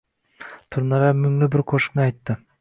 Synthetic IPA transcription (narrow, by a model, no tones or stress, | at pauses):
t̪ʰʊɾnɑɾamʊŋlɪbɪɾqʰoʃɪ̥knɪɑjt̪ːɪ